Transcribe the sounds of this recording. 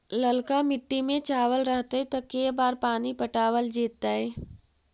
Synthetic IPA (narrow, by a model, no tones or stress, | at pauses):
lɐlkamɪʈːimẽt͡ʃaːʋəlɾəɦt̪eɦɛt̪ɐkeːbaːɾpaːnipɐʈaːʋəld͡ʒiːt̪t̪ːaɦɛː